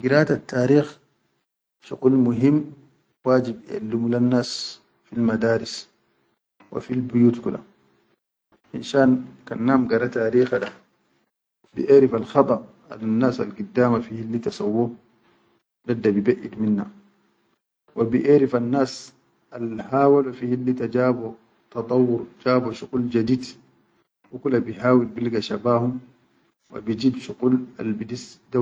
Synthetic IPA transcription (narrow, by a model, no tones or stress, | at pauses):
ɡiɾaːt̪atʰːaːɾiːx | ʃuqʼulmuɦimː | waːd͡ʒibɛ̰lːumulanːaːs | filmad̪aːɾis | wa̰filbujuːt̪kuɗa̰ | hinʃaːnkanːaːmɡaɾat̪aːɾiːxaɗa | bḭʔɛːɾifalxaɓa | a̰lanːaːsa̰lɡid̪ːaːmafihilːit̪asawːɔ | dad̪ːabibaʔid̪minːa | wabiʔeɾifanːaːs | alhaːwalafihilːit̪ad͡ʒaːbo | t̪ɑt̪ˤɑwːʊɾd͡ʒaːboʃuquld͡ʒad̪iːd̪ | ʔuklabiɦaːwilbilɡaʃabaːhum | wa̰bid͡ʒiːbʃuqula̰lbidisd̪a